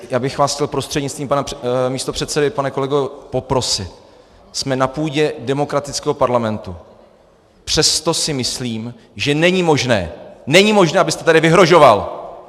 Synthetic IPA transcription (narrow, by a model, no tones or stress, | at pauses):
jaːbɪxvaːsxcɛlpɾo̞st̪r̝̥ɛdɲɪtt͡st̪viːmpanamiːst̪o̞pr̥ɛt̪sɛdɪpanɛko̞lɛɡovpo̞pɾo̞sɪt̪ | smɛnapuːɟɛdɛmo̞kɾat̪ɪt͡skɛːɦo̞paɾlamɛnt̪u | pr̥ɛst̪o̞sɪmɪsliːm | ʒɛnɛɲɪmo̞ʒnɛ̰ːnɛɲɪmo̞ʒnɛːabɪst̪ɛ̥t̪adɪvɪɦɾo̞ʒo̞val